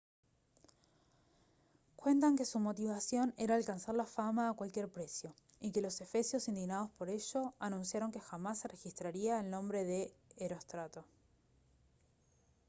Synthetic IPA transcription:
kwe̞nt̪aŋke̞sumo̞t̪iβasjo̞neɾaːlkansaɾlafamaːkwalkje̞ɾpɾe̞sjo̞ | ike̞lo̞se̞fe̞sjo̞sind̪iɣnað̞o̞spo̞ɾe̞ʃo̞anũnsjaɾo̞ŋke̞xamasːere̞xist̪ɾaɾiaelnõ̞mbɾe̞ðeːɾo̞st̪ɾat̪o̞

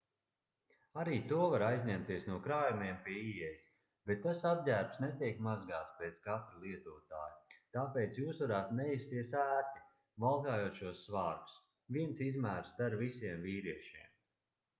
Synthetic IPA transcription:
aɾiːt̪uɔvaɾajzʲɲɛmt̪iɛsnuɔkɾaːjumiɛmpiɛiɛjis | b̥ɛt̪ːasab̚dʲæːɾbsnɛt̪iɛkmazɡaːt̪speːt̪skat̪ɾilˠiɛt̪uːt̪a̰ːjut̪aːpeːt̪sjuːsvaɾaːt̪nɛjist̪iɛsæːt̪i | valˠt̪aːjuːt̪ʃuɔsːvaːɾɡu̥s | viɛnsizmæːɾst̪aɾvisiɛmviːɾiɛʃiɛm

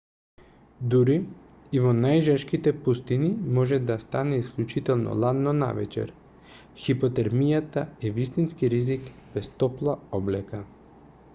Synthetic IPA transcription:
d̪uɾiː | vɔnajʒaʃkit̪ɛpust̪inimɔʒɛd̪ast̪anɛisklʲut͡ʃit̪ɛlˠnɔ̰lˠanːɔna̰vɛ̰t͡ʃɛ̰ɾ | xipɔt̪ɛɾmijat̪aɛvist̪inskiɾizikbɛst̪ɔplˠaɔblɛka

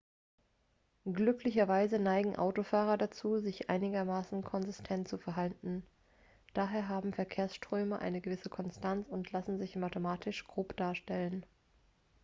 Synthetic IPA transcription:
ɡlʏklɪçɐvaɪzənaɪɡŋ̩ʔa̰ʊtofaːʁɐdat͡suːzɪçʔa̰ɪnɪɡɐmaːsn̩kʰɔnzɪstʰɛntt͡sufɛɐɦaltn̩ | d̥aːɦeːɐɦaːbm̩fɛɐkʰeːɐsʃtʁ̥øːməʔa̰ɪnəɡəvɪsəkʰɔnstʰant͡sʊntʰlasn̩zɪçmatomaːtʰɪʃɡ̥ʁoːpd̥aːɐʃtɛlən

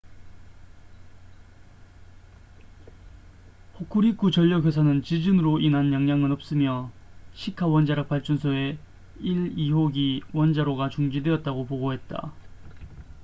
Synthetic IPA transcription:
hokʰuɾik͈ʰut͡ɕʌʎːʌkjes̬ʰanɯnt͡ɕid͡ʑɯnɯɾoʔinɦanjaŋɲaŋɯnʌp̚s͈ɯmjʌ | ɕʰikʰawʌnd͡ʑaɾak̚p͈aɭt͡ɕ͈unsʰʌe̞ | iɾiɦoɡiwʌnd͡ʑaɾoɡat͡ɕuŋd͡ʑidweʌt̚t͈aɡopoɡoɦe̞t̚t͈a̰

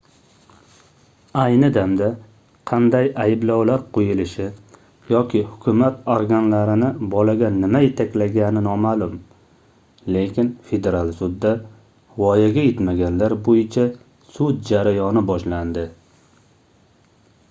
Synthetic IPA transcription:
ajnɪd̪amd̪a | qʰɑnd̪ajajɪblɒwlaɾqʰojɪlɪʃɪ | jɒkʲɪhʊkʲʰʊmat̪oɾɡʲanlaɾɪnɪbɒlaɡʲanɪmajet̪ʰakʲlaɡʲanɪnɒmalʊm | le̞kʲɪnfe̞d̪e̞ɾalˠsʊd̪ːa | vɒjaɡʲajet̪maɡʲanlaɾbojɪt͡ʃʰa | sʊd̪̚d͡ʒaɾajɒnɪbɒʃland̪ɪ

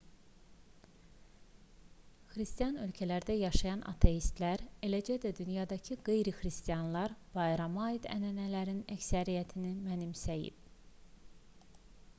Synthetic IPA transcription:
xɾist̪ijɑnø̞lcʰælæɾd̪æjɑʃɑjɑnʔɑ̰t̪ʰe̞jist̪læɾe̞læd͡ʒæd̪æd̪ynjɑd̪ɑcʰiɡe̞jɾixɾist̪ijɑnlˠɑɾb̥ɑjɾɑmɑid̪æ̰nænælæɾinæcsæɾijæt̪ʰinimænimsæjḭb̥

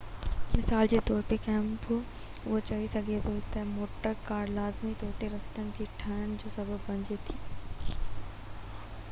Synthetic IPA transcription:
mɪsaːld͡ʑeːt̪ɔːɾpekɛ̃ːmpʰo | ʊɦot͡ɕɐɦisɐɡʱet̪ʰot̪ɐmoːʈəɾkaːɾlaːzmit̪ɔːɾt̪eɾɐst̪ənɪ̆d͡ʑiːʈʰɐnəñɪ̆d͡ʑoːsɐbʱəbːɐ̃ɲd͡ʑet̪ʰiː

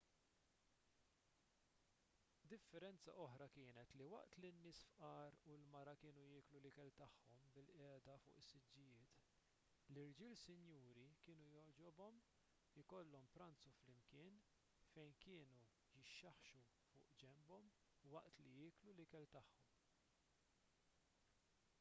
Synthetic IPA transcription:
d̪ɪfːɛɾɛnt͡sɐ̰ʔɔħɾɐkɪːnɛt̪liwɐ̰ʔt̪linːɪːsfʔɐːɾulmɐɾɐkɪːnujɪːklulɪkɛlt̪ɐħːɔmbɪlʔɛːd̪ɐfʊ̰ːʔɪsːɪd͡ʒːɪjɪːt̪ | lɪɾd͡ʒɪːlsɪnjuːɾikɪːnujɔɾd͡ʒɔbɔm | ɪkɔlːɔmpɾɐnt͡suflɪmkɪːn | fɛjnkɪːnu | jɪʃːɐħʃu | fʊ̰ːʔd͡ʒɛmbɔm | wɐʔt̪lijɪːklulɪkɛlt̪ɐħːɔm

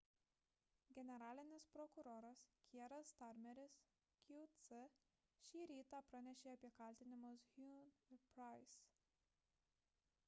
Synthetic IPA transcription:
ɡʲɛnʲɛɾɑːlʲɪnʲɪspɾɔkʊɾoːɾɐskʲiɛɾɐst̪ɑɾʲmʲɛɾʲɪs | kʲut̪sɨ | ʃʲiːɾʲiːt̪ɑpɾɐnʲɛʃʲeːɐpʲiɛkɐˑlʲt̪ʲɪnʲɪmoshʲunpɾaɪs

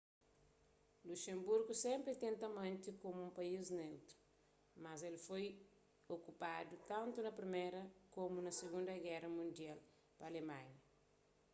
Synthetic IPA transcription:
luʃẽmbuɾɡusɛ̃mpɾit̪ẽnt̪ɐmãnt̪ikomuũmpɐjiznewt̪u̥ | mazelfoj | okupad̪ut̪ãnt̪unɐpɾimeɾɐkomunɐseɡũnd̪ɐɡɛrɐmũnd̪jal | pɐalemãɲɐ

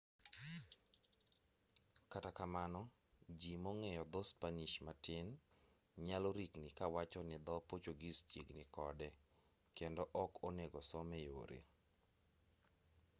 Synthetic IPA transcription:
katakamanɔ | d͡ʒimoŋɛjɔd̪ɔspaniʃmatɪn | ɲalɔɾiknɪkawat͡ʃɔnɪd̪ɔpot͡ʃoɡist͡ʃḭɡnɪkɔdɛ | kendɔʔɔkʰoneɡɔsɔmɛjo̰ɾḛ

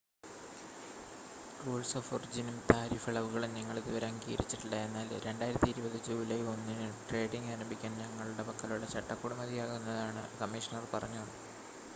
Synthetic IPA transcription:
ruːɭsoːforid͡ʑinumt̪aːɾiːfɐɭɐʋuɣɐɭumniŋːɐɭðiʋɐɾɐŋɡiːɾit͡ɕːiʈːilːɐe̞nːaːlɾe̞ɳɖaːjiɾɐt̪ːiɾubɐðid͡ʑuːʋileonːinɨʈre̞ːɖiŋɡaːɾɐmbʱikʲːaːnɲɐŋːɐɭuɽepɐkːɐluɭːɐt͡ɕɐʈːɐkːuːɽumɐðijaːɣunːɐðaːɳɨ̰kɐmːiʂɐnɐrpɐrɐɲːu

